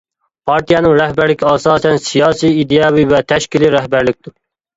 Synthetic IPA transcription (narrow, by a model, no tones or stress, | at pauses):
pʰɑɾt̪ʰijɑnɨŋɾɛhbæɾlɪkʲʰiɑːsɑːsɛnsijɑːsiid̪ejɑːwivɛt̪ʰɛʃkʲiliɾɛɦbæɾlɪk̚ʲt̪u